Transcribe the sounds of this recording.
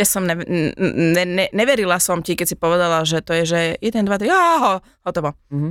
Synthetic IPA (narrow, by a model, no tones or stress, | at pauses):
jasɔmnɛ | nɛnɛɲɛʋɛɾilasɔmcikɛcsipɔʋɛd̪alaʒɛt̪ɔjɛʒɛjɛd̪ɛnd̪ʋat̪ɾiaɦɔ | hɔt̪ɔʋɔ